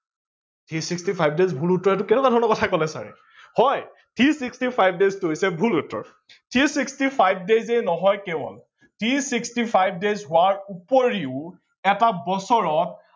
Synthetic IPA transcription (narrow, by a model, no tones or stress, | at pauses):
tʰisikstipʰajb̚dezbʱulutːɔɹɛt̬ʊkɛnɛkadʱɔɹɔnɔkɔtʰakɔlɛsa̰ɹḭ | hɔj | tʰisikstipʰajb̚deztoɦojsɛbʱulutːɔ̰ɹ | tʰisikstipʰajb̚dezenɔɦɔjkɛbɔ̰l | tʰisikstipʰajb̚dezɦʊaɹupoɹiʊ | ɛtabɔsɔɹɔt̚